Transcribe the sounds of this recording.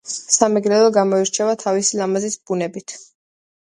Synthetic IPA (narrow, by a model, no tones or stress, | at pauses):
samɛɡɾɛlɔɡamɔiɾt͡ʃʰɛvat̪ʰavisilamazisb̥unɛbit̪ʰ